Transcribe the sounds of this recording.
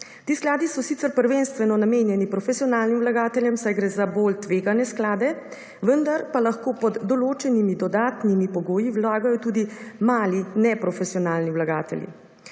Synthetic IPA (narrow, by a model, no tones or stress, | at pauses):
t̪iːsklaːd̪isɔsit̪səɾpəɾʋeːnst̪ʋɛnɔnameːnjɛnipɾɔfɛsiɔnaːlnimwlaɡaːt̪ɛljɛmsajɡɾɛːzaboːlt̪ʋeːɡanɛsklaːd̪ɛ | ʋənd̪aɾpalaxkoːpɔd̪ːɔloːt͡ʃɛnimid̪ɔd̪aːt̪nimipɔɡoːjiwlaːɡajɔt̪uːd̪imaːlinɛpɾɔfɛsiɔnaːlniwlaɡa̰ːt̪ɛ̰ljḭ